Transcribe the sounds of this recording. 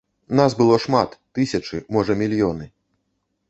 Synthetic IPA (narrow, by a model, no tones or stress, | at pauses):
nasbɨlˠɔʂmat̪ːɨsʲɐt͡ʂɨmɔʐɐmʲilʲjɔnɨ